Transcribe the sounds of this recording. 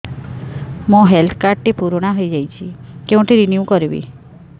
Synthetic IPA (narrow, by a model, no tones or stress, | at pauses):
mũɦelt̪ʰkaɾʈ̪ipuɾoɽ̃aɦəjd͡ʒajt͡ʃʰikeʋɔ̃ʈ̪ʰiɾinjukɔɾibḭ